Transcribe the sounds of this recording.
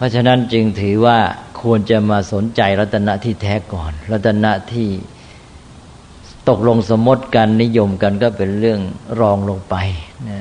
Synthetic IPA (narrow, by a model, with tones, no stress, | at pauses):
pʰɔ˦˥t͡ɕʰa˧na˦˥nt͡ɕɯ˧ŋt̪ʰɯː˩˦waː˥˩kʰu˧ənt͡ɕa˨˩maː˧so˨˩˦nt͡ɕa˧jɾa˦˥t̪ʰːa˧na˦˥ʔt̪ʰiː˥˩t̪ʰɛː˦˥kɔː˨˩nla˦˥t̪ʰːa˧na˦˥ʔt̪ʰiː˥˩ | t̪o˨˩k̚lo˧ŋsa˩˦mːo˦˥t̪̚ka˧nːi˦˥jo˧mka˧nkɔː˥˩pe˧nɾɯ˥˩əŋɾɔː˧ŋlo˧ŋpa˧jna˦˥